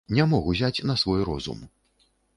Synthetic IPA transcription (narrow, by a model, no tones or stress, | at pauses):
nʲɛmɔɣuzʲat͡sʲnɐsvɔjɾɔ̰zṵm